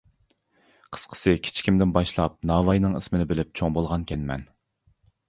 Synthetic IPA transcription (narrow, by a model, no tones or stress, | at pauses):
qʰə̥sqʰə̥sɨkʲʰɪ̥t͡ʃʰi̥kʲʰimd̪ɪnbɑʃlˠɑp̚nɑːvɑjnɨŋḭsmɪnɪbɪlɪp̚t͡ʃʰoŋbolˠʁɑnkʲʰɛnmɛ̰n